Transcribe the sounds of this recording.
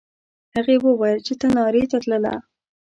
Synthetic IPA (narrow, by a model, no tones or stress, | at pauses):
haɣewəwɑjəlt͡ʃet̪anɑɾet̪at̪ləla̰